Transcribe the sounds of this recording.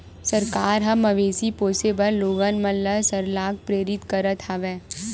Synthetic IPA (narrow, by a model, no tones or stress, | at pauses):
sɐɾkaːɾɦɐmɐʋeːsipoːsebəɾːoːɡənmɐnləsəɾlaːɡ̚pɾeːɾɪt̪kɐɾət̪haʋɛː